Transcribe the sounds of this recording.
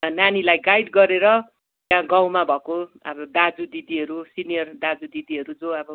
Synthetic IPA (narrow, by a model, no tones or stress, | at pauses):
nanilajɡajɖɡʌɾeɾʌ | t̪jãɡaw̃mabʱʌkoʌ̰bʌd̪ad͡zud̪id̪iɦʌɾusinijʌrd̪ad͡zud̪id̪iɦʌɾud͡zoʌbʌ